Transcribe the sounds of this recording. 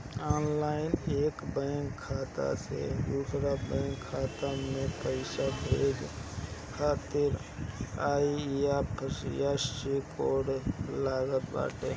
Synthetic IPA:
ɔːnlaːɪneːkbə̃ŋkʰːaːt̪a̰sḛd̪uːsɾabə̃ːŋkʰːaːt̪amẽpəɪʃabʱeːd͡ʒ | kʰaːt̪ɪɾ | aːijapʰəsjasikoːɽlaːɡət̪ba̰ːʈe

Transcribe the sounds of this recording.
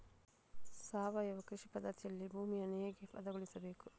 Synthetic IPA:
saːʋɐjɐʋɐkɾiʂipɐd̪ɐɾt̪jɐlːibʱuːmijɐneːɡepɐ̰d̪ɐɡoɭisɐbeːku

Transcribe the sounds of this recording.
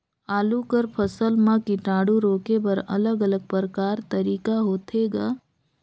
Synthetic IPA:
aːlukəɾpʰəsəlmãkiʈaːɽuɾoːkepəɾɐ̰ləɡələɡ̚pəɾəkaːɾt̪əɾiːkaɦoːt̪ʰeːɡaː

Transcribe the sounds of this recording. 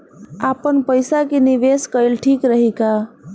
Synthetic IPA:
apənpəjsakiniʋeskəjlʈʰikɾəɦika

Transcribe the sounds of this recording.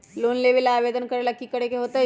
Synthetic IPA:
loːnlebilaːʋeːd̪ənkɐɾelɐkːikɐɽekeɦoːt̪aɦ

